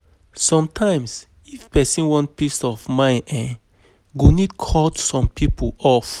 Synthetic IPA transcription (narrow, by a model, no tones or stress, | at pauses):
sɔ̃mtʰãɪ̃ms | ifpɛsĩnwɔ̃nt̚pistɔfmãɪ̃nʔɛ̃ | ɡonidkʰɔtsɔ̃mpʰipəɔf